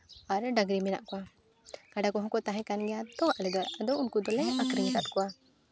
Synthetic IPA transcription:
aɾɖaɡɾimɛna̰ʔkɔa | kaɖakɔɦɔ̃kɔt̪aɦɛ̃kanɡɛjad̪ɔwaʔlɛɡ̪aɾad̪ɔwunkud̪ɔlɛjʔakɾiŋsat̪̚kɔwa

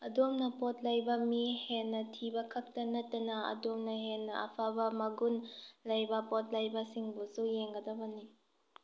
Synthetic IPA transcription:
ɐdomnɐpɔt̚lɐjbɐmihenːɐtʰibɐkʰɐk̚tɐnɐtːɐnɐɐ̰domnɐɦenːɐʔɐ̰pʰabɐmɐɡunlɐjbɐpɔt̚lɐjbɐsiŋbusujeŋɡɐdɔbɐni

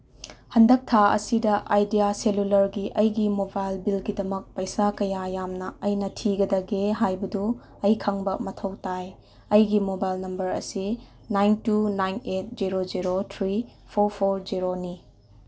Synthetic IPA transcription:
hɐndɐk̚tʰaɐ̰sidɐʔajdijaselulɐɾɡiʔɐjɡimobajlbilɡidɐmɐk̚pɐjsakɐjajamnɐɐjnɐtʰiɡɐdɐɡeɦajbɐdu | ɐjkʰaŋbɐmɐtʰɐwtaj | ɐjɡimobajlnɐmbɐɾɐ̰si | najntunajnet̚d͡ʒiɾod͡ʒiɾot̪ʰɾi | pʰoɾpʰoɾd͡ʒiɾoni

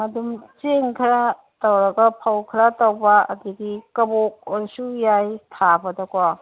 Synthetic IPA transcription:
mɐdumt͡ʃeŋkʰɐɾa | tɔwɾɐɡɐpʰɐwkʰɾatɐwba̰ːdiɡikɐbok̚oɾsujajtʰabɐdakwa

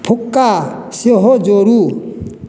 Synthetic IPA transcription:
pʰukːasiɔɦɔd͡ʒɔɾu

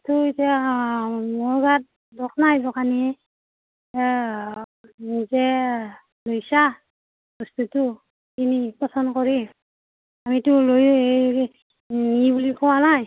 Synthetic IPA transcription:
tʊitia | mɔɹɡat̚ | dɔknajdɔkani | nzɛ | lojsa | bɔstutu | kinipɔsɔndkɔɹi | amitʊloj | ibulikɔwanaj

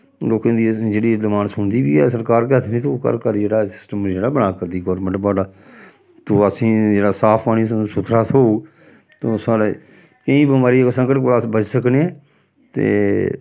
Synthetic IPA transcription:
loːkẽːd̪iːd͡ʒeːɽiːləmaːnsʊɳd̪iːbḭːɛ̰ːs̬əɾkaːɾkɛːt̪ːnĩːt̪okə̰ɾkəɾd͡ʒeːɽaːsɪ̥sʈəmd͡ʒeːɽaːbənaːkəɾd̪iːɡɔːɾmə̃ɳʈbaːɖaː | t̪oːəsĩːd͡ʒeːɽaːsaːpʰaːniːsñːsʊt̪ʰɾaːsoːuː | t̪oːsaːɽḛː | kəĩːbəmaːɾisə̃ŋkəʈk̬olaːsbəd͡ʒsəkneɛː | t̪ḛː

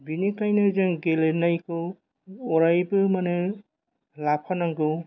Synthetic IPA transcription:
binikajnɯzɯŋɡelenajkɯ | ɔɾajbɯmanɯ | lapʰanaŋɡɯw

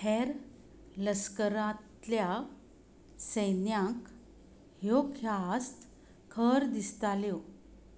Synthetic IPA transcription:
hʰɛɾ | ləskəɾat̪lja | səjnjãk | ɦjokʰjast̪ | kʰəɾd̪ist̪aljo

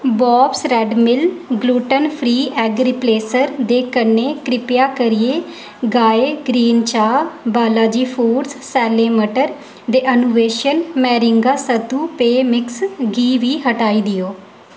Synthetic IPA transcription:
bɔːbsɾɛːɖmɪlɡluːʈənpʰɾiːʔɛːɡɾipleːsəɾd̪eːkəneːkɾɪpɪjaːkəɾɪjeː | ɡaːeːɡɾiːnt͡ʃaːbaːlaːd͡ʒiːpʰuːɖssɛːleːməʈəɾ | d̪eːʔənuːʋeːʃənmɛːɾɪŋɡaːsət̪uːpeːmɪksɡiːʋiːɦəʈaːiːd̪ɪjoː

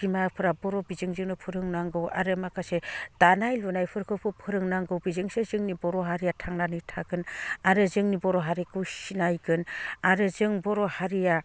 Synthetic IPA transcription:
imapʰɯɾabɔɾɔbizɯŋzɯŋnɯpʰɯɾɯŋnaŋɡɯwa̰ɾɯmakʰased̥anajlunajpʰɯɾkʰɯpʰɯpʰɯɾɯŋnaŋɡɯwbizɯŋsezɯŋnibɔɾɔɦaɾijatʰaŋnanɯjtʰaɡɯnaɾɯzɯŋnibɔɾɔɦaɾikʰɯwsinajɡɯnaɾɯzɯŋbɔɾɔhaɾija

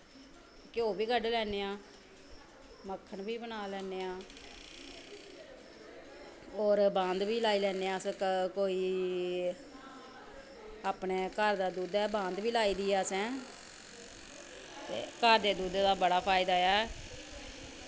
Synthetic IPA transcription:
kjoːbiːɡəɖlɛːneːãː | məkʰːəɳbiːbənaːlɛːneːãː | ɔːɾbãːnd̪ʋiːlaːiːlɛːneːãːsɛ̃koːiː | aːpɳeːkəɾd̪aːd̪uːd̪ɛːbãːnd̪ʋiːlaːiːd̪ɪjaːsɛ̃ː | t̪ḛːkəɾd̪eːd̪uːd̪d̪aːbəɽaːpʰaːɪd̪aːɛː

